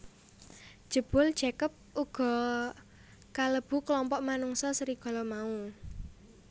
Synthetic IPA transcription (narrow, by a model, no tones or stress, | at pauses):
d̥ʒ̥ə̤b̥ʊ̤l̥ʒ̥ɛkəp̚uɡ̥ɔ̤ | kaləb̥ṳklɔmpɔʔmanuŋsɔsəɾiɡ̥ɔ̤lɔmau